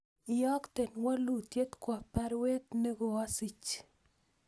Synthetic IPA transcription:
ɪ˨ɔ˦kt̪e˨nwa˦lu˨t̪je˦t̪kwa˨pa˦ɾwe˦t̪̚ne˦ɡo˨a˦si˨t͡ʃ

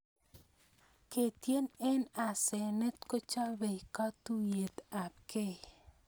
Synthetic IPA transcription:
ke˨t̪je˦ne˦na˨se˨ne˦t̪ko˦t͡ʃa˦be˨jka˦t̪u˦je˨t̪a˨p̚ke˦

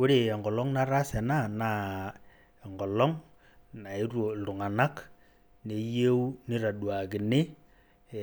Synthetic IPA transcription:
kʊ˦ɾe˨ɛ˨ŋɡɔ˨lɔ˦ŋna˦ɾa˦sɛ˨na˦˨na˦˨ | ɛ˨ŋɡɔ˨lɔ˦ŋ | na˨i˦ɾo˨tʊ˨ŋa˨na˦k | ne˨je˦u˦nɪ˦ɾa˨ɗwa˨kɪ˨nɪ˦˨

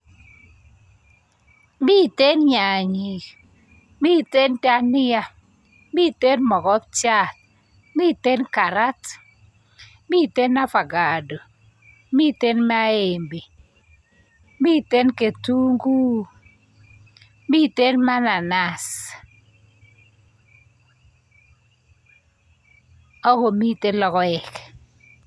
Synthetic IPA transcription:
bi˦˨te˦nɲa˨ɲi˨k | bi˦te˦nta˦nɪ˦ja˦ | bi˦˨te˦nmɔ˨kɔ˦p̚t͡ʃa˦˨t̚ | mi˦˨te˦nka˨ɾa˦t | mi˦˨te˦nːa˦fa˨ɡa˨do˨ | mi˦te˦nm˦a˦e˨mbi˨ | mi˦te˦nke˨tu˦ŋɡu˦ | mi˦te˦nma˦na˨na˨s | ɔ˦ko˨mi˦te˦nlɔ˦kɔ˦ɛ˨k

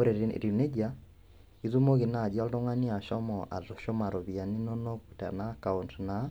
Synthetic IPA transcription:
oɾɛɾine˦d͡ʒa˦ | i˦ðu˦mo˦ɣi˨na˨d͡ʒa˦ldɔ˦ŋa˦ni˦a˨ʃɔ˦mɔʔa̰˨zɔ˨ʃɔ˦ma˨ɾɔ˨βia˨ni˦nɔ˦nɔ˦ku˨ta̰˨na˦ka˨untna˨

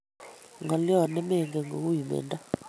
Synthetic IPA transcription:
ŋa˨li˦ɔ˦˨nɛ˦mɛ˦˨ŋɡɛ˨ŋo̰˨ku˦ji˨mɛ̰ː˨nda˦

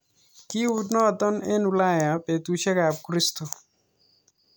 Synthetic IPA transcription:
ki˦udnɔ˦˨d̪ɔ˦ne˦nula˦ja˨pe˨t̪uʃe˦ka˨b̚kɾist̪ɔ˨

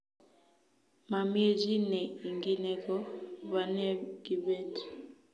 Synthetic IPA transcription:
ma˨mi˦e˦zi˦nɛ˨i˨ŋɡi˦nɛ˦kɔ˦βa˨nɛ˦ɡ̥i˨βɛ˦ti̥˨

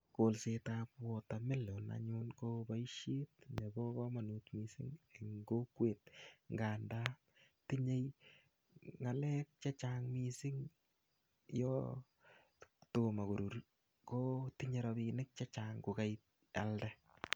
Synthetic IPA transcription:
kolsetapwɔtame˦lo˨na̰ɲʊnko˧ba˦iʃje˦t̚ɲe˨bɔ˦kɔ˦ma˨nu˨tmisɪ˦ŋeŋɡo˦kweː˨t̚ŋɡaːnda | ti˦ɲe˦j | ŋa˨lɛ˦k̚t͡ʃa˦t͡ʃaŋmisi˦ŋ | jɔ | toma˨ko˨ɾu˨ɾ | ko˦ti˦ɲe˦ɾabi˧nɪk̚t͡ʃa˦t͡ʃaːŋku˨kajt̚ | aldɛ

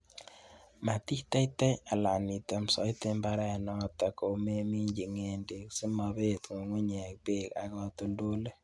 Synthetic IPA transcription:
ma˨ti˦tɛ˦i˦tɛ˦a˨la˨ni˨te˨msɔ˨˦i˦te˦mba˦ɾa˦˨nɔ˦p̚ta˨ko˨me˦mi˦ɲd͡ʒi˨ŋe˨nde˨ksi˦ma˧βe˦tŋo˨ŋwe˦ɲɛ˨k̚pe˦ka̰˨kɔ˦to˦ndo˦le˦

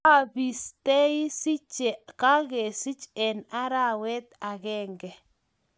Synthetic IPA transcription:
a˦bi˨st̪ɛ˦i˦si˦t͡ʃɛ˨ka˦ɣɛ˨si˦t͡ʃɛ˨na˦ɾa˦wɛ˦t̪a˨ɣɛ˦ŋɡɛ˨

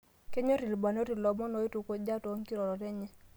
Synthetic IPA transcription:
ke˦ɲo˦ɾi˨lba˨no˦ɾi˨lɔ˨mɔ˦no˨˦i˦tu˨ko˦d͡ʒa˦to˦ŋ˦ki˦ɾɔ˨ɾɔ˨tɛ˦ɲɛ˦

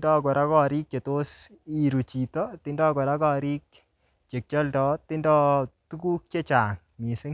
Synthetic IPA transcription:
ndɔ˦kɔ˨ɾʔa˦kɔ˦ɾi˦k̚t͡ʃe˨to˦s | i˨ɾu˨t͡ʃi˨tɔ˦tɪ˦ndɔ˦kɔ˨ɾa˦kɔ˦˨ɾi˦k | t͡ʃe˨k̚t͡ʃɔ˦ldɔ˨tɪ˦ndɔ˦tu˦ku˦k̚t͡ʃe˦t͡ʃaː˨ŋ | mi˨sɪ˦

